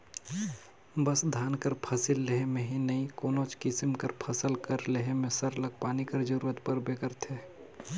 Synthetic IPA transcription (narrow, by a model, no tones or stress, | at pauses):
bəsd̪ʱaːnkəɾpʰɐsɪlːeɦemẽɦinɐikoːnoːt͡ʃkɪsimkəɾpʰəsəlkəɾleɦemẽsəɾləɡ̚paːnikəɾd͡ʒəɾuːɾət̪pəɾbekəɾt̪ʰe